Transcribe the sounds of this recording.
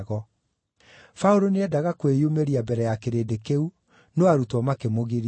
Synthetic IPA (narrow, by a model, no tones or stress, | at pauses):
ɣɔ | fauɾoneɛdaɣakwejomeɾiabɛɾɛjakeɾeːdekeu | noaɾutɔmakemoɣiɾ